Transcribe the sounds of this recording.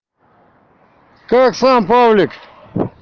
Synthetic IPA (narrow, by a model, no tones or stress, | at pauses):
kaːksãːmpaːblik